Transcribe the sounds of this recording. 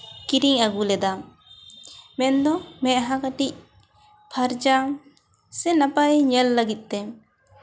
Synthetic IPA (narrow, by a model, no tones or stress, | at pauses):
kiɾiŋaɡulɛd̪a | mɛnd̪ɔmɛʔɦãkaʈic̚ | pʰaɾd͡ʒam | sɛnapajɲɛlːəɡit̪̚ˀt̪ɛ